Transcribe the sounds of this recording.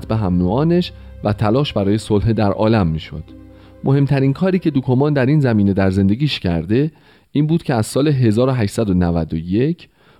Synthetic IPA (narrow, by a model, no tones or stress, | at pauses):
t̪ʰbeɦæmnuːɒːne̞ʃvæt̪ʰælɒːʃbæɾɒːje̞solɦed̪æɾʔɒ̰ːlæmːiːʃo̰d̪̥ | mʔo̞he̞mt̪ʰæɾiːnkʰɒːɾiːcʰe̞d̪okʰomɒːnd̪æɾiːnzæmiːne̞d̪æɾze̞nd̪e̞ɡʲiːʃcʰæ̰ɾd̪e̞ | iːnbuːd̪̥cʰe̞æz̥sɒːleɦe̞zɒːɾoɦæʃsæd̪onævæd̪oje̞cʰ